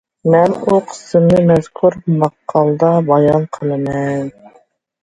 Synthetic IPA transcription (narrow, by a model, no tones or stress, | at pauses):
mɛnuqʰə̥sɪmnɪmɛzkʰuɾmɑqʰːɑlˠd̪ɑbɑjɑnqʰəlˠɨmɛn